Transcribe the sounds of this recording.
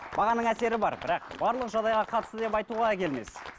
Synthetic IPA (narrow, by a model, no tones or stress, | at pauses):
b̥ɑʁɑnəɴæse̞ɾɪbɑɾbɪɾɑqb̥ɑɾlˠəqʒɑd̪ɑjʁɑqʰɑt̪ə̥st̪əd̪e̞pɑjt̪uʁɑkʲʰe̞lme̞̰s